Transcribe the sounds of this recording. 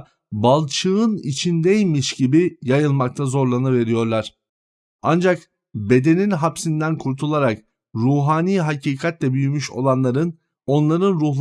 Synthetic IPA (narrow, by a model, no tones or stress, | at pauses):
balˠt͡ʃʰɯɯnḭt͡ʃʰind̪ejmiʃɟibijajɯlˠmak̚t̪ʰazo̞ɾlˠanɯve̞ɾijo̞ɾlˠaɾ̥ | a̰nd͡ʒak | be̞d̪e̞ninɦapsind̪ænkʰuɾt̪ʰulˠaɾak | ɾuːɦaːniːɦacʰiːkʰat̪lʲɛbyjymyʃo̞̰lˠanlˠaɾɯn | o̞nlˠaɾɯnɾuɦlˠ